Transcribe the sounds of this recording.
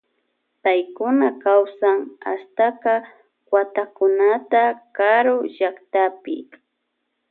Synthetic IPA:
pajkʊnakawsaŋa̰st̪aqɑ | kwat̪akʊnat̪akaɾʊʒakt̪apɪ̰

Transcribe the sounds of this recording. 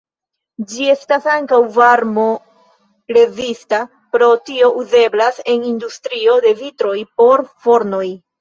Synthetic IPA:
d͡ʒie̞stasaŋkawvaɾmo̞ | ɾe̞zista | pɾo̞tio̞ʔuze̞blase̞nindustɾio̞de̞vitɾo̞jpo̞ɾfo̞ɾno̞j

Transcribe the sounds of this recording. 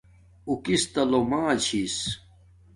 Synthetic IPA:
ukist̪ɐlomaːt͡ɕʰis

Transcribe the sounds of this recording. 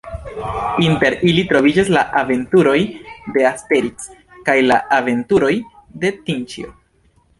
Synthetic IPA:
inte̞ɾilitɾo̞vid͡ʒaslaʔave̞ntuɾo̞jde̞aste̞ɾis | kajlaʔave̞ntuɾo̞jde̞tint͡ʃḭo

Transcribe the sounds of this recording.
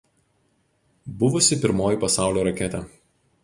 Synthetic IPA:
bʊʋʊsʲɪpʲɪɾmoːjiˑpɐsɑˑʊlʲoːɾɐkʲɛt̪ʲɛ

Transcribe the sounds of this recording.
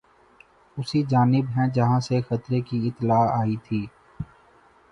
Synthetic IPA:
ʊsid͡ʒaːnɪbɦɛ̃d͡ʒɐɦãsexɐt̪ɾekiɪt̪ːlaːaːit̪ʰiː

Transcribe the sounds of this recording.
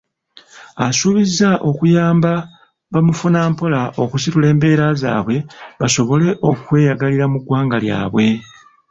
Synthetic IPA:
asuːβizaʔo̞kujaːmba | βamufunaːmpo̞laʔo̞kusitule̞ːmbe̞ːɾaza̰ːβwe̞βaso̞βo̞le̞ʔo̞kwe̞ːjaɡaliɾamuɡwaːŋɡalja̰ːβwe̞

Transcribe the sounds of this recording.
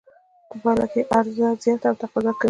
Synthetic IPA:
p̪əbɑla̰keʔaɾzazjɑt̪awt̪aqɑzɑka

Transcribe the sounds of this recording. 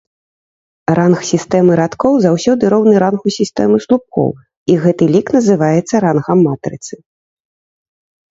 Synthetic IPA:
ɾanxsʲist̪ɛmɨɾat̪kɔwzawsʲɔd̪ɨɾɔwnɨɾanxusʲist̪ɛmɨslˠup̚kɔ̰w | iɣɛt̪ɨlʲiknɐzɨvajɛt̪sːɐɾanɣɐmːat̪ɾɨ̰t̪sɨ

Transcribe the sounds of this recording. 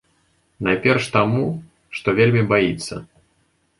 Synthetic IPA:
najpʲɛrʂt̪amu | ʂt̪ɔvʲelʲmʲibajit̪sːɐ̰

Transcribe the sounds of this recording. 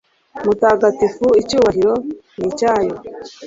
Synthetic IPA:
mutaːɡatifuicuːβaɦiɾo̞nicaːjo

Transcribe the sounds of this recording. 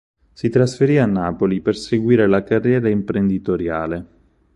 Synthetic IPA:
sit̪ɾasfeɾiːanːaːpoliperseɡwiːɾelakarːjɛːɾaimpɾend̪it̪oɾjaːle

